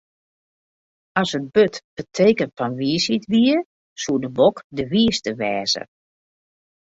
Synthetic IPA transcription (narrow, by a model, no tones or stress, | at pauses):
ɔsət̚bøtb̥ətʰeːkəntfɔnʋiəsitʋiə | suədəbokdəʋiəstəʋɛːzə̰